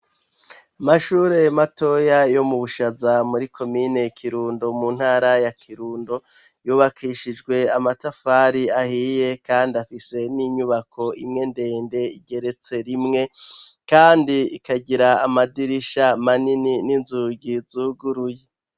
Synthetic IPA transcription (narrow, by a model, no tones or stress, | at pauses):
amaʃuːɾe̞mato̞jajo̞muβuʃazamuɾikʰo̞mine̞kʰiɾuːndo̞mun̥haːɾajakʰiɾuːndo̞ | juːβakʰiʃid͡ʒɡwe̞amatafaɾiahiːje̞kaːndiafise̞niɲuβakʰo̞ḭmŋe̞nde̞ːnde̞iɟe̞ɾe̞t͡se̞ɾimŋe̞ | kaːndiikaɟiɾaːmadiɾiʃamaninininzuɟizuːɡuɾuje